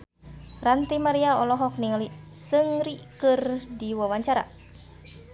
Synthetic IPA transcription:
rant̪imaɾiaɔlɔɦɔk̚niŋalisɨŋɾikɨrdiwawaɲt͡ʃaɾa̰

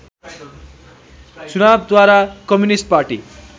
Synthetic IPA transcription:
t͡sunab̚d̪waɾakʌmjunisʈ̚paɾʈi

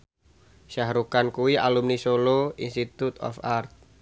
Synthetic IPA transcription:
ʃaɦɾukankuwiʔalumnisoloinst̪it̪ut̪ɔ̰fart̪̚

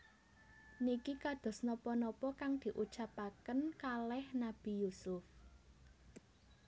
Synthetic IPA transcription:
nikikad̪̥ɔ̤snɔpɔnɔpɔkaŋd̪̥i̤ʔu̥t͡ʃapakənkalɛhnab̥i̤jusʊf

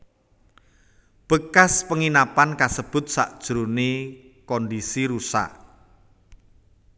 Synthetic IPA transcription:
b̥ə̤kaspəŋinapankasəb̥ʊ̤t̪̚sa̰ʔd̥ʒ̥ɾunekɔndisiɾusa̰ʔ

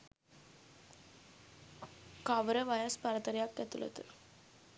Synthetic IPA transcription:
kɐʋɾɐʋɐjaːspɐɾɐt̪ɐɾjaːkːɐt̪ːulɐ̰t̪ɯ̰

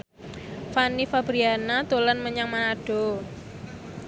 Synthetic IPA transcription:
fanifabɾianat̪olanməɲaŋmaɖ̥ɔ̤

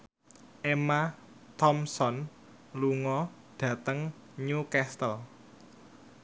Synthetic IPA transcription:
ʔema | t̪ɔmsɔn | luŋɔ | ɖ̥ä̤t̪əŋ | ɲukɛst̪əl

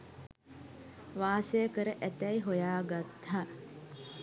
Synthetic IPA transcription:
ʋaːsejəkəɾəʔæt̪ɛiɦojaːɡat̪haː

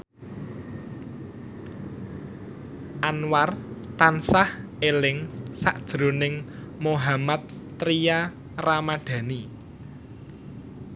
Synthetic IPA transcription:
ʔanwart̪ansahelɪŋsa̰ʔd̥ʒ̥ɾonɪŋ | moɦamat̪ː | ɾija | ramaɖ̥ä̤ni

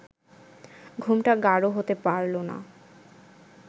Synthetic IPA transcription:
ɡʱumʈaɡaɾoɦot̪epaɾlona̰

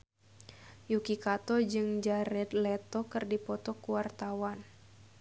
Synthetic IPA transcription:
jukikat̪ɔd͡ʒɨŋd͡ʒaɾɛt̪lɛt̪ɔkɨrdipɔt̪ɔkuwart̪awan

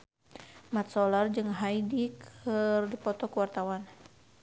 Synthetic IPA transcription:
mat̪̚sɔlard͡ʒɨŋɦaidikʰərdipɔt̪ɔkuwart̪awan

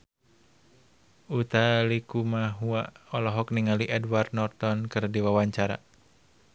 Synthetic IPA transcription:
ʔut̪alikumaɦuaɔlɔɦɔkniŋaliʔɛdwart̪̚nɔrt̪ɔnkɨrdiwawaɲt͡ʃaɾa̰

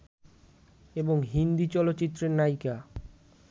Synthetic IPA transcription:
eboŋɦind̪it͡ɕɔlot̪ːɕit̪ːɾeɾnajka

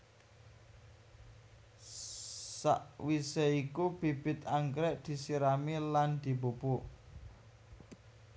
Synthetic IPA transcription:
sa̰ʔwiseikub̥i̤b̥ɪ̤t̪̚aŋkɾɛʔd̪̥i̤siɾamiland̪̥i̤bupuʔ

